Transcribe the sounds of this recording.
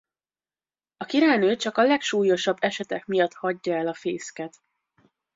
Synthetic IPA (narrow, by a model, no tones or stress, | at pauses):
ɒkiɾaːjnøːt͡ʃɒkɒlɛkʃuːjo̞ʃɒbːɛʃɛt̪ɛkmijɒt̪hɒɟːɒɛlɒfeːskɛt̪